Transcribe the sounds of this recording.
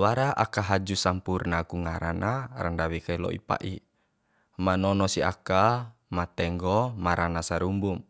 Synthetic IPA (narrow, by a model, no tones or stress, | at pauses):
waɾaʔakaɦad͡ʒusampurnakuŋaɾa̰nʔaɾandawikailɔ̰ʔḭpa̰ʔi | manɔnɔsia̰kamat̪ɛŋɡɔmaɾanasaɾumbum